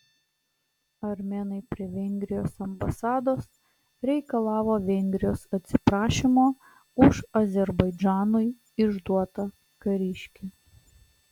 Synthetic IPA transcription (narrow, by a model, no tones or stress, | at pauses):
ɐɾʲmʲɛːnɐɪpʲɾʲiɛʋʲɛŋʲɡʲɾʲɪjoːsɐmbɐsɑːd̪oːs | ɾʲɛɪkɐlˠɑːʋoːʋʲɛŋʲɡʲɾʲɪjoːsɐt̪ʲsʲɪ̥pɾɑːʃʲimoː | ʊʃɐzʲɛɾbɐɪd͡ʒʲɑːnʊj | ɪʒd̪uɔt̪ɐ | kɐɾʲɪʃʲkʲi